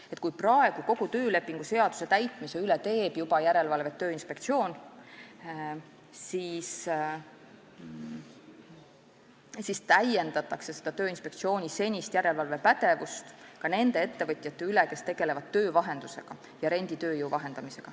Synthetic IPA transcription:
e̞t̪ˑkujprɑe̞ɡ̥uko̞ɡ̥ut̪ø̞ːle̞pːˑiŋɡ̥use̞ɑd̪̥u̥se̞t̪æjt̪ˑmise̞ylet̪e̞ːbjubɑjæɾe̞lvɑlve̞t̪ːø̞ːinspe̞kt̪sio̞ːn | siːs | sist̪æje̞nd̪̥ɑt̪ːˑɑkse̞se̞d̪̥ɑt̪øːinspe̞k̚t̪sio̞ːnʲise̞nʲist̪jæɾe̞lvɑlve̞pæt̪e̞vust̪kɑne̞nd̪e̞e̞t̪ːe̞vɤt̪ʲˑjɑt̪ːe̞yleke̞st̪e̞ɡ̥e̞le̞vɑd̪̚t̪ːø̞ːvɑɦe̞nd̪̥use̞ɡ̥ɑ | jɑɾe̞nʲd̪̥it̪ø̞ːjuwvɑɦe̞nd̪̥ɑmise̞ɡ̥ɑ

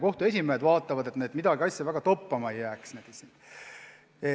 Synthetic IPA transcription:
ko̞ht̪ue̞sʲimeed̪vɑːt̪ːˑɑvɑd̪e̞t̪ne̞ːd̪mid̪ɑɡiɑjsʲːjɑvæɡ̥ɑt̪opːɑmɑejːæːksned̪̥isin

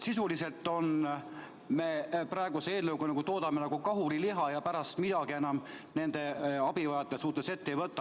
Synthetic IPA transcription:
sisulise̞lt̪ːˑo̞n | me̞prɑeɡ̥usee̞ːlnɤwkonɑkut̪oːd̪ɑmenɑɡ̥ukɑɦuliliɦɑjɑpæɾɑst̪mid̪̥ɑɡ̥ie̞nɑm | ne̞nd̪̥e̞ɑb̥ivɑjɑt̪ːˑesuːt̪ːese̞t̪ːeivɤt̪ˑːɑ

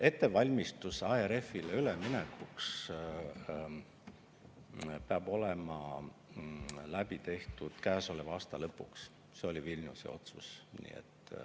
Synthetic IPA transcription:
e̞t̪ːe̞vɑlʲmist̪usɑeɾe̞fːileylemine̞kuks | peɑb̥o̞lemɑ | læb̥it̪e̞ht̪ud̪̥kæːso̞levɑːst̪ɑlɤpːˑuks | se̞o̞lʲivilʲnṵsḛo̞̰t̪susnḭːḛt̪ːˑ

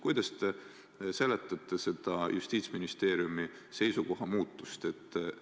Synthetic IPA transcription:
kujd̪̥ɑst̪e | se̞let̪ːˑɑt̪ːˑe̞se̞d̪̥ɑjʔust̪iːt̪sminist̪e̞ːɾjumi | se̞jsuko̞ɦɑmuːt̪ˑːust̪e̞t̪ːˑ

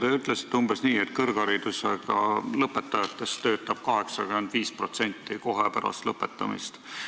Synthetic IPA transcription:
t̪eːyt̪ːˑlese̥t̪ːumbesniːet̪kɤrɡ̥ɑɾid̪̥useɡ̥ɑ̰lɤpːˑe̞t̪ːˑɑjɑt̪ːˑe̞st̪t̪ø̞ːt̪ːˑɑb̥̚kɑɦe̞ksɑɡymend̪̥viːspro̞t̪se̞nʲt̪ːˑiko̞ɦepæɾɑ̰st̪lɤpːˑe̞t̪ːˑɑmḭst̪

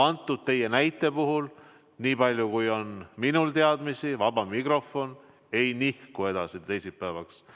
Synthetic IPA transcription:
ɑnt̪ːˑud̪̥̚t̪e̞jːe̞næjt̪ːˑe̞puɦul | niːpɑlʲjukujo̞nminult̪eɑd̪misivɑb̥ɑmikro̞fo̞n | e̞jnihkue̞d̪̥ɑsit̪ejsipːæevɑks

